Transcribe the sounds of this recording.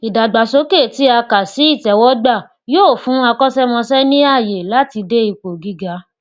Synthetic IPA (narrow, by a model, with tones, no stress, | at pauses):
i˨da˨ɡ͡ba˨so˨˦ke˦˨ti˨˦a˧ka˨si˨˦i˦˨tɛ˨˦wɔ˨˦ɡ͡ba˦˨ | joː˦˨fũ˨˦a˧kɔ̃˦sɛ˦mɔ̃˧sɛ˦nĩ˦a˦˨je˨la˨˦ti˧de˦i˧k͡po˨ɡi˨˦ɡa˦